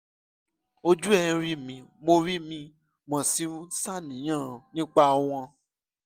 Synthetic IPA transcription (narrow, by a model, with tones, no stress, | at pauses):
o˧d͡ʒu˦ɛ̃˦˧ɾi˦mĩ˧mo˧ɾi˦mĩ˧ | mɔ̃˨si˨˦sa˦˨nĩ˨˦j̃ã˦˨nĩ˦k͡pa˦˧w̃ɔ̃˧